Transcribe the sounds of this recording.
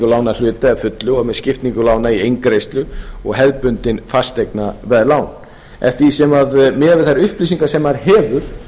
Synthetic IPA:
kʏlaːwnal̥ʏːt̪ɪɛðfʏt̪lʏɔɣmɛðscɪft̪niŋkʏlaːwnaiejŋkɾejst̪lʏɔɣɦɛðpʏnt̪ɪnfast̪ejknavɛðlaːwn | ɛ̰ft̪ɪɾisɛmaðmɛːavɪðθaɾʏhpliːs̬iŋkasɛmaɾhɛːvʏɾ̥

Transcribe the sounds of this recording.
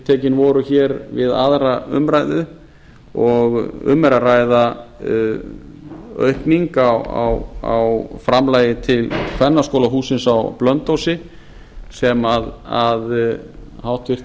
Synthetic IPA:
t̪ʰɛːcɪnvɔɾʏçɛːɾvɪða̰ðɾaʏ̰mraːjðʏ | ɔɣʏ̰mːɛɾaraːjða | œ̰ɥhkniŋkawa̰wa̰wfɾamlaːjɪt̪ʰɪlkʰvɛnːaskoːwlaɦuːsɪnsawplœnt̪owsɪ | sɛmaðað | hawht̪vɪr̥t̪

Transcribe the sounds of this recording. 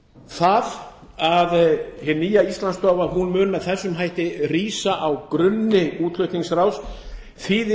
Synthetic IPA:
θað | aðhɪniːjaist̪lanst̪ɔːvaɾɦunmʏːnmɛðθɛsːʏmɦajht̪ɪriːsaʔawkɾʏnːɪuːt̪lœɥht̪iŋsraws | θiːðɪ

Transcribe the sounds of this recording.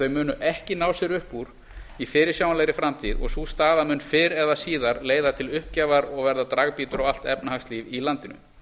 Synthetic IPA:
œɥmʏːnʏʔɛhcɪnaːwsjɛɾʏhpːuɾ | ifɪːɾɪɾ̥sjaːwanlɛjɾɪfɾamt̪ʰiðɔ̰ɣsust̪aːðamʏnfɪɾɛðasiːðaɾleːjðat̪ʰɪlʏhp̚caːvaɾɔɣvɛɾðat̪ɾaɣpiːt̪ʏɾaɣal̥t̪ɛpnahakst̪liːvilant̪ɪnʏ̰

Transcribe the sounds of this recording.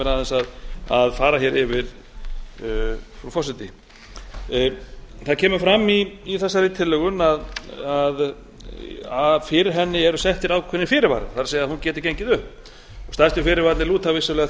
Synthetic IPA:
ɛɾaðɛnsaðaðfaːɾaçjɛɾɪvɪɾ | fɾufɔsɪt̪ɪ | θaðcʰɛːmʏɾfɾamːiːθɛsːaɾɪt̪ʰɪlːœɣʏnaðað | afɪɾɾɦɛnːɪɛɾʏsɛht̪ɪɾaːwkʰɛnːɪfɪːɾɪɾva̰ɾθaɾsɛːɣjaðahuncɛːt̪ɪɾ̥ceɲcɪðʏhp | ɔst̪ast̪ʏfɪːɾɪɾvaɾt̪nɪluːt̪avɪsalɛːɣa

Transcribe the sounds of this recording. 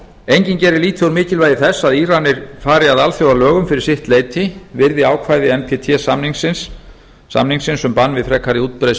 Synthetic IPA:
ejɲcɪncɛɾɪliːt̪ʰwɾmɪːcɪlvaːjðɪθɛsːaðiːɾanːɪɾ̥faːɾɪaðalθjowalœːɣʏmfɪɾɪɾ̥sɪht̪leːjt̪ʰɪvɪɾðɪaːwkʰvaːjðɪɛmpʰɛt̪ʰɛsamniŋsɪnsː | a̰mniŋksɪnsʏmpanːvɪðfɾɛkʰːaɾɪuːt̪̚pɾejs

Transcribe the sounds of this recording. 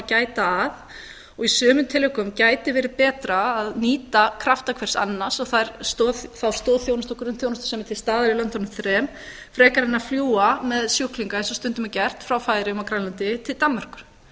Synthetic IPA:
acaːjt̪aːð | ɔɣisœːmʏmt̪ʰɪlːɪkʏmcaːjt̪ɪvɛːɾɪðpɛːt̪ɾaːðniːt̪akʰɾaft̪akʰvɛr̥sa̰nːḁsɔɣθaɾst̪oθθawst̪ɔːθjownast̪ɔkɾʏnθjownast̪ʏ̥sɛmɪt̪ʰɪlst̪aːðʏɾɪlœnt̪ːɔnʏmθɾɛːm | fɾɛːkaɾɛnːafljuːamɛðsjuhkliŋkaɛnsɔst̪ʏnt̪ʏmacɛr̥t̪fɾawfaːjɾɪʏmakɾajlant̪ɪt̪ʰɪlt̪amːar̥kʏ̥ɾ̥

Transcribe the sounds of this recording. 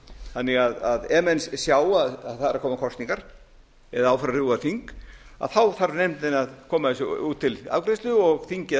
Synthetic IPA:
θanːɪɣaðaðɛːmɛnssjaːwaðaðθaɾaɾkʰɔːmakʰɔst̪niŋkaɾ̥ | ɛðaaːwfaɾaɾrɪwaθiŋka̰ðθawθaɾnejmt̪ɪnaðkʰɔːmaɪsʏuːt̪ʰːɪla̰vkɾest̪lʏɔɣθiŋcɪ

